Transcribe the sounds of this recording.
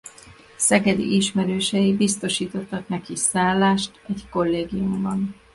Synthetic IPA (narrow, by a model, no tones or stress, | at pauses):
sɛɡɛd̪ḭʔiʃmɛɾøːʃɛjibist̪o̞ʃiːt̪o̞t̪ːɒknɛkisaːlːaːʃt̪ɛɟko̞lːeːɡijumbɒn